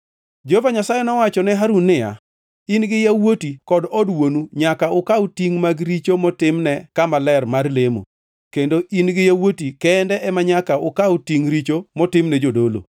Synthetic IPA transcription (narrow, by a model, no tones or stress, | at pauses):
d͡ʒovaɲasajɛnɔwat͡ʃɔnɛɦaɾunːɪja̰ | inɡɪjawotikɔdɔdwonuɲakaʊkautiŋmaɡɾit͡ʃomɔtɪmnɛkamalɛrmarlemo̰ | kendoʔinɡɪjawotikɛndɛʔɛmaɲakaʊkautiŋɾit͡ʃomɔtɪmnɛd͡ʒodolo̰